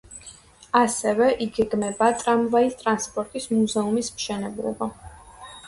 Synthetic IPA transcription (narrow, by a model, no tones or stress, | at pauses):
asɛvɛʔiɡɛɡmɛbat̪ʼɾamvaist̪ʼɾanspʼɔɾt̪ʼismuzɛumismʃɛnɛblˠɔ̰ba